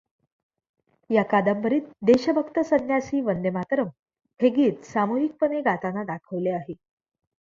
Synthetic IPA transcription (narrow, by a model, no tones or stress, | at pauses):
jakad̪əmbəɾiːt̪̚d̪eɕəbʱəkt̪əsənjasiːʋənd̪emat̪ɾəm | heɡiːt̪samuɦik̚pəneɡat̪anad̪akʰəʋleaɦe